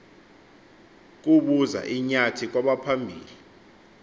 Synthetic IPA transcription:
k̬uɓuza̰ʔiɲatʰik̬waɓapʰambʱiːli

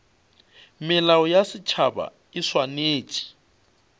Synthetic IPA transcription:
mɪlaʊjasɪt͡ʃʰaba̰ | ɪswaneːt͡ʃʼi̥

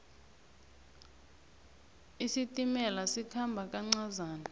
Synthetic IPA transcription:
isitʼimɛlasikʰambʱakʼaŋ͡ǀazaːna

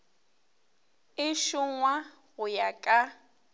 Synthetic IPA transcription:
ɪʃʊŋwa | ɣʊjakʼa

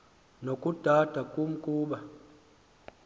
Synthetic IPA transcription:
nokud̥ʱatakum̩kuɓa

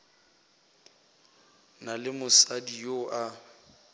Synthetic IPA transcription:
nalɪmʊsadijoʔa

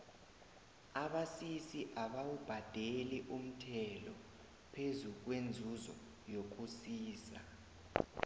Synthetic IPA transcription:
aɓasisiʔaɓawub̥ʱad̥ʱeliʔum̩tʰɛlɔ | pʰezuk̬wend͡zʱuzɔ̰ | jok̬usiːsa

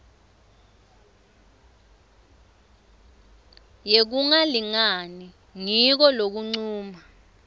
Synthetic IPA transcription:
jek̬uŋaliŋani | ŋik̬ɔlok̬uŋ͡ǀuːma

